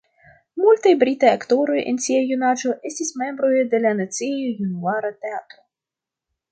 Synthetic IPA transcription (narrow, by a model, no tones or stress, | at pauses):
mulʲt̪ajbɾʲit̪ajɐkt̪oɾojɛ̰nt͡sʲiajunad͡ʒoʔɛsʲtʲisʲmɛmbɾojd̪elʲanat͡s̪ijojunuaɾɐt̪ɛat̪ɾo